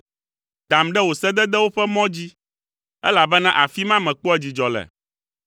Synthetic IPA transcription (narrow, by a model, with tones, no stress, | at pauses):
d̪̥a˨mɖɛ˦wo˨sɛ˦d̪ɛ˦d̪ɛ˦wo˦ɸɛ˦mɔ̃˦d͡ʑi˦ | ɛ̰˦la˨bɛ˦nã̰˦ʔa˨fi˦mã˦mɛ̃˨k͡pɔ˦ɛ˦d͡ʑi˨d͡ʒɔ˨lɛ̰˨